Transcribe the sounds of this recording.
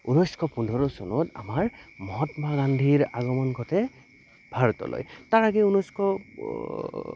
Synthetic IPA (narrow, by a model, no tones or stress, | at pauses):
unɔjskʰɔpundʱɔɹɔsɔnɔta̰maɹmɔɦɔtmaɡandʱiɹaɡɔmɔnɡʰʱɔtɛ | bʱaɹɔtɔ̰lo̰jtaɹaɡɛunɔjskʰɔ